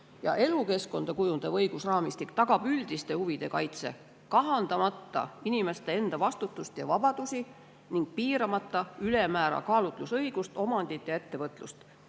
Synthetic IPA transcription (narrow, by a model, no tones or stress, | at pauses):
jɑ̰ʔe̞luke̞sko̞nd̪̥ɑkujund̪ɑvɤjɡ̥usrɑːmist̪ikt̪ɑɡ̥ɑb̥yld̪ist̪e̞huvid̪̥e̞kɑjt̪se̞̰ | kɑɦɑnd̪̥ɑmɑt̪ːɑ̰inime̞st̪e̞e̞nd̪̥ɑvɑst̪ut̪ːˑust̪jɑvɑbɑd̪̥usi | niŋɡ̥̚piːɾɑmɑt̪ːˑɑylemæːɾɑ̰kɑːlut̪lusɤjɡ̥ust̪o̞mɑnd̪̥it̪ˑjɑe̞t̪ːe̞vɤt̪ˑlust̪